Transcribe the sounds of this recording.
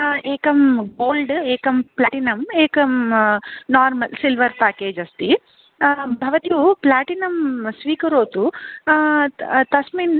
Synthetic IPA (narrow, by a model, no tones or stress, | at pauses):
eːkɐmɡoːlɖeːkɐmplaːʈinɐmeːkɐm | naːɾmɐlsilʋɐɾpaːkeːd͡ʒɐst̪i | bʱɐʋɐt̪iʋuplaːʈinɐmsʋiːkɐɾoːt̪u | t̪ɐsmin